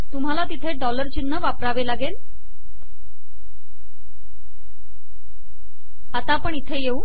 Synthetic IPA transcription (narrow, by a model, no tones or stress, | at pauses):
t̪um̤alat̪it̪ʰeɖɔləɾt͡ɕinːəʋapɾaʋelaɡel | at̪apəɳit̪ʰejeu